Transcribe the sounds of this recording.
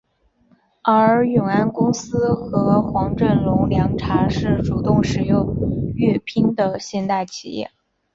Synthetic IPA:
ə˞˧˥˧jʊ˨˩ŋa˥nkʊ˥ŋsɹ̩˥xɤ˧˥xwɑ˧˥ŋʈ͡ʂə˥˩nlʊ˧˥ŋljɑ˧˥ŋʈ͡ʂʰa˧˥ʂɻ̩˥˩ʈ͡ʂu˨˩t̪ʊ˥˩ŋʂɻ̩˨˩jʊ˥˧ŋy˥˩pʰi˥ŋd̪ə˨ɕjɛ˥˧nt̪a˥˩ɪt͡ɕʰḭ˨˩jɛ̰˥˩

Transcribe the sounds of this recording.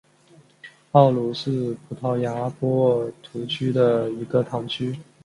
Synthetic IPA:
pɑ˥˩ʊlu˧˥ʂɻ̩˥˩pʰu˨˥t̪ʰɑ˧˥˩ʊja˧˥pwɔ˥t̪ʰu˧˥t͡ɕʰy˥d̪ə˨i˧˥ɡə˧t̪ʰɑ˧˥ŋt͡ɕʰy˥

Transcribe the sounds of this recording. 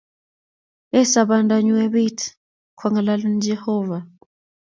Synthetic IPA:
ɛ˦sa˨βa˨nda˨ɲu˦ɛ˦βi˦tʰ | kʰwa˨ŋa˨la˦lu˦nid͡ʒɛhɔːva˨

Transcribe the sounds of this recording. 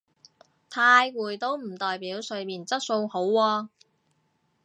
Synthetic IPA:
t̪ʰaː˧jkuː˨˩jt̪o˥wm̩˨˩t̪ɔː˨jpiː˨˥wsɵ˨˧ɥmiː˨nt͡sɐ˥t̚so˧who˨˥wːɔː˧

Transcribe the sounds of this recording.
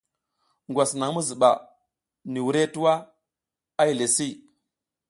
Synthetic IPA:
ŋɡʷa˨sna˨ŋ˦mu˦zi˨ɓa̰˨ | ni˨wu˨ɾe˦tu˦wa˦ | a˦i˨le˨si˦

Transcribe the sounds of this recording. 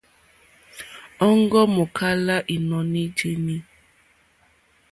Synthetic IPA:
ɔ˦ŋ˦ɡɔ˦mo˨kʰa˦la˦ʔi˨nɔ˨ni˦d͡ʒe˦ni˦

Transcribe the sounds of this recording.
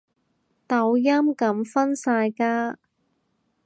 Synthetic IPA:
t̪ɐ˨˧wjɐ˥mkɐ˨˥mfɐ˥nsaː˧jkaː˥

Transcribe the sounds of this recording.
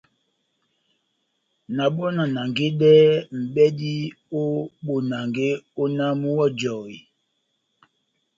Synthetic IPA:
na˨ɓɔ˦na˨na˨ŋɡe˦ɗɛ˦m̩˨ɓɛ˦di˦ | o˦ɓo˨na˨ŋɡe˦o˦na˦mu˦wɔ˦d͡ʒɔ˨i˨

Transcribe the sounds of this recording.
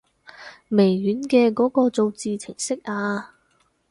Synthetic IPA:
me˨˩jɥyː˨˥nkɛː˧kɔː˨˥kɔː˧t͡so˨˧wt͡siː˧t͡sʰɪ˨˩ŋsɪ˥k̚ʔaː˧

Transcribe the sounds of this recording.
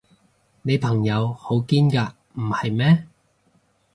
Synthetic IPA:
ne˨˧jpʰɐ˨˩ŋjɐ˨˧who˨˥wkiː˥nkaː˧ | m̩˨˩hɐ˨jmɛː˥

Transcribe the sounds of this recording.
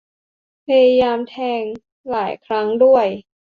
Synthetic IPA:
pʰa˧ja˧jaː˧mt̪ʰɛː˧ŋ | laː˩˦jkʰɾa˦˥ŋdu˥˩əj

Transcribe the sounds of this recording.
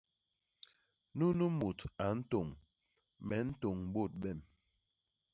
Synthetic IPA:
nu˦nu˦mu˨ta˨n̩˦to˨ŋ | mɛ˨˦n̩˦to˨ŋm˨ɓo˦˨t̚ɓɛ˦˨m

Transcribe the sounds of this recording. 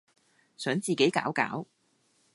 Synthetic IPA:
sœː˨˥ŋt͡siː˨ke˨˥jka̰ː˨˥wka̰ː˨˥w

